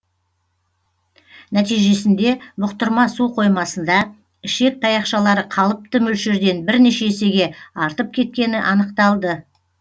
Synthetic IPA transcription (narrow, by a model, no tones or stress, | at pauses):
næt̪ijʒe̞sɪnd̪e̞mʊqt̪əɾmɑsuqʰo̞jmɑsənd̪ɑ | ɪʃe̞k̚t̪ʰɑjɑqʃɑlˠɑɾəqʰɑlˠəp̚t̪əmɵlʃeɾd̪e̞nbɪɾneʃe̞ːse̞ɡʲe̞ɑɾt̪əp̚kʲʰe̞t̪̚kʲe̞nɪʔɑnəqt̪ɑlˠd̪ə